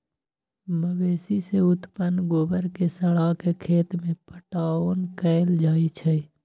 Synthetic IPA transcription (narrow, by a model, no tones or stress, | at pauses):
məʋeːsiseʊt̪pənɡoːbəɾkesəɽaːkekʰeːt̪mẽpəʈaːoːnkɛːld͡ʒaːit͡ʃʰɛ